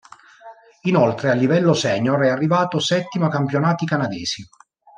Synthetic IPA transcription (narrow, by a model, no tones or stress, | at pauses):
inolt̪ɾealːivɛlːosɛːɲoɾɛarːivaːt̪osɛt̪ːimakampjonaːt̪ikanad̪ɛːz̥i